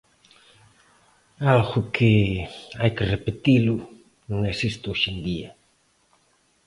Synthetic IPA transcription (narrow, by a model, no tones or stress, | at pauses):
alɣʊkʰɪajkɪrepet̪ilʊ | noŋesist̪ʊoʃend̪ia